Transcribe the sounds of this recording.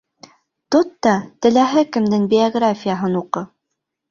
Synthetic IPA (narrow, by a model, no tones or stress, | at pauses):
t̪ot̪ːɑt̪ɘ̆læɦɘkɘ̆md̪ɘŋbʲɪɐɡrafʲijaɦɤnuqɤ